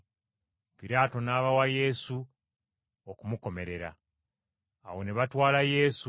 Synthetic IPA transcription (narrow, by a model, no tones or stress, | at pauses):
piɾaːto̞naːβawaje̞su | okumuko̞me̞ɾe̞ɾa̰ | wo̞ne̞βatwaːlaje̞s